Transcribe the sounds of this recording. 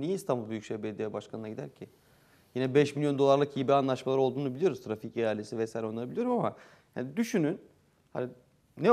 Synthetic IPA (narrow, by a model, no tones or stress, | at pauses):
ijiist̪ʰambubyjycʃevbed̪ijebaʃkʰanɯnaɟid̪æɾcʰɪ | jinɛbɛʃmilʲjo̞nd̪o̞lˠaɾlˠɯkiibianlˠaʃmalˠaɾo̞lˠd̪uːnubilʲijo̞ɾuzt̪ʰɾaficejalʲe̞sivɛsaːjiɾʲɛonabilʲijo̞ɾumama | ja̰nid̪yʃynyn | ha̰ni | nɛ